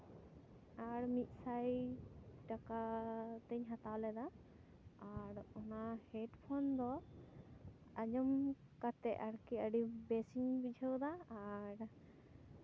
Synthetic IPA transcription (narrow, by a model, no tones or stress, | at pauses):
aɾmit̪̚ˀsaj | ʈakat̪ɛɲɦat̪awlɛd̪a | aɾɔnahɛʈpʰɔnd̪ɔ | aɲɔm | kat̪ɛaɽkɛəɖibɛsiɲbid͡ʒʱəwd̪aːɾ